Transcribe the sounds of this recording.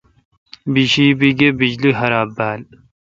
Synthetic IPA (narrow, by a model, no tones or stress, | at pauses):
biɕiːbiɡebid͡ʑliɦɐɾaːbːaːl